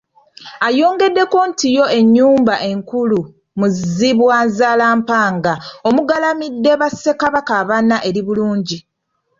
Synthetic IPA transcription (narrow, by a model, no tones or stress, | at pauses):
ajo̞ːŋɡe̞dːe̞ko̞ntijo̞e̞ɲːuːmbaʔe̞ŋkulu | muziβwaːnzaːlaːmpaːŋɡao̞muɡalamidːe̞βasːe̞kaβakaːβanːaʔe̞ɾiβuluːɲɟi